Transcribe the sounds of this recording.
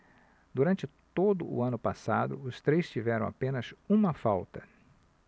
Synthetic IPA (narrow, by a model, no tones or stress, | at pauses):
d̪uɾɐ̃nt͡ʃɪt̪od̪ʊʔʊ̰ɐ̃nʊpasad̪ʊ̰ʊst̪ɾejst͡ʃivɛɾɐ̃w̃a̰pẽnɐsũmɐfawt̪ɐ